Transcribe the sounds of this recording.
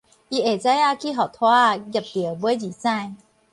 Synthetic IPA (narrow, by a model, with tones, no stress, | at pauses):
ʔi˧ʔe˨˩t͡sa˦˥ja˧kʰi˦˥˨ɦɔ˨˩t̪ʰwa˦˧ɡja˨˩p̚ti˨˩ə˦˨bu˧˦jd͡ʑi˨˩sã˥˧˨j